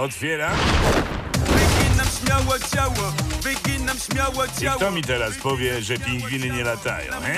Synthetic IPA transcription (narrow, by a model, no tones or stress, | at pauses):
ɔt̪fʲjɛɾa | vɨɡʲinamɕmʲjawɔt͡ɕawɔvɨɡʲinamɕmʲjawɔt͡ɕawt̪ɔmʲit̪ɛɾaspɔvʲjɛʐɛpʲẽŋɡvʲinɘɲɛlat̪a̰jɔ̰̃w̃ɛ